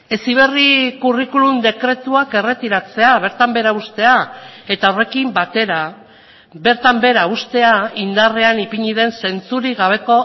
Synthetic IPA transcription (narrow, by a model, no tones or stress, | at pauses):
e̞siβ̞e̞rikurikulumd̪e̞kɾe̞t̪uake̞re̞t̪iɾat͡se̞aβ̞e̞ɾt̪ambe̞ɾaust̪e̞ae̞t̪ao̞re̞kimbat̪e̞ɾa | βe̞ɾt̪ambe̞ɾaust̪e̞aind̪are̞anipiɲiðe̞nse̞nt͡suɾiɣaβ̞e̞ko̞